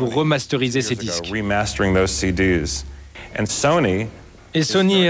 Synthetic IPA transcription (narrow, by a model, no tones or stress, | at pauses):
uʁːəmast̪əʁizesed̪iskɹimæstə˞ɪ̃ŋðoʊz̥sidiz̥ʔɨ̃nsõʊ̃ni | esɔnie